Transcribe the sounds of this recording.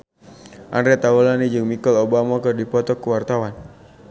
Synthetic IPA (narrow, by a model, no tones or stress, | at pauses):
ʔandɾɛt̪aulanid͡ʒɨŋmikɔlobamakɨdipɔt̪ɔkːuwart̪awan